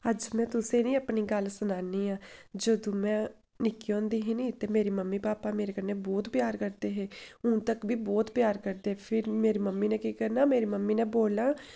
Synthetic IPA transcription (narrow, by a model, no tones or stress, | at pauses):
əd͡ʒmɛ̃ːt̪ʊsẽːnĩːəpniːɡəlsʊnaːniːaːd͡ʒəd̪õːmɛ̃ː | nɪkːiɔ̃ːnd̪iːɦiːnĩːt̪eːmeːɾiːməmːiːpaːpaːmeːɾeːkəɾneːbɔːt̪pjaːɾkəɾd̪eːɦeːʊ̃ːt̪əkbiːbɔːt̪pjaːɾkəɾd̪eːpʰɪɾmeːɾiːməmːiːnɛ̃ːkikəɾnaːmeːɾiːməmːiːnẽːboːlãː